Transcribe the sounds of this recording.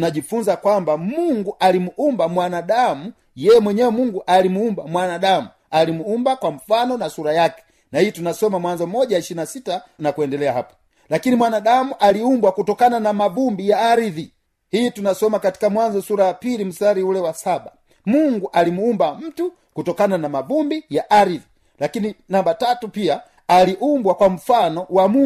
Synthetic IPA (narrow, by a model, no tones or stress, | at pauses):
naʄifunzakwambamuŋɡuʔalimuumbamwanaɗamu | jɛjɛmwɛɲɛwɛmuŋɡuʔalimuumbamwanaɗamu | alimuumbakwam̩fanɔnasuɾajakɛ̥ | nahijɔtunasɔmamwanzɔmɔʄaiʃiɾinasitanakuɛndɛlɛahapɔ̥ | lakinimwanaɗamuʔaliumbwakutɔkananamavumbijaːɾiði | hijitunasɔmakati̥kamwanzɔsuɾajapilim̩saɾiulɛwasaɓa | muŋɡuʔalimuumbam̩tu | kutɔkananamavumbijaʔaɾiði | lakininambatatupia | aliʔumbwakwam̩fanɔwamu